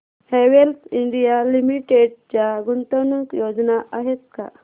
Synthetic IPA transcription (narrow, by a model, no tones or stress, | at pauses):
heʋelt̪ʰiɳɖijalimiʈeɽt͡ɕjaɡunt̪ənukjod͡znaʔaɦet̪̚ka̰